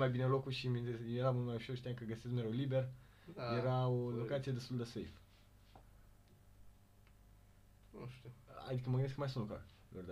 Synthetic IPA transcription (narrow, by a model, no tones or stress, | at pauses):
majbinelo̞kuʃiminejeɾamult̪majuʃoɾʃt̪eankəɡəsesmeɾolibe̞r | jeɾaolo̞kat̪sijed̪e̞st̪uld̪e̞sejf | nuʃt̪ua̰d̪ikəməɡəneskəmajsunt̪lukɾa̰ | lord̪e